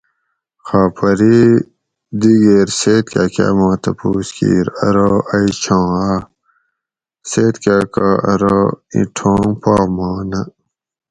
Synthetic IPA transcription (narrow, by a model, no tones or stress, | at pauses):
xaːpʰɐɾi | d̪iɡeɾseːt̪̚kaka̰ːmãːt̪ɐpuːskḭːɾɐɾoɐit͡ɕʰãːa | seːt̪kakaɐɾoḭ̃ʈʰõːŋpaːmaːnɐ